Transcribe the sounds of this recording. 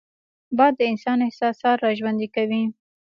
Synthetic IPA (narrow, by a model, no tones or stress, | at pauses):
bɑjad̪ːəɪnsɑnɪhsɑsɑt̪ːɑʒwand̪ikawi